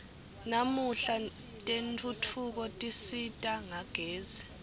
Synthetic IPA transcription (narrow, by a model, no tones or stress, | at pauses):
namuɬa | tʼentʰʼutʰuk̬ɔtʼisitʼaŋaɡ̥ʱeːzɛ